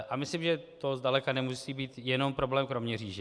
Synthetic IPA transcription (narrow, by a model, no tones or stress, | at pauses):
ʔʔamɪslimʒɛt̪ozdalɛkanɛmusiːbiːt̪jɛno̞mpɾo̞blɛːmkɾo̞mɲɛriːʒɛ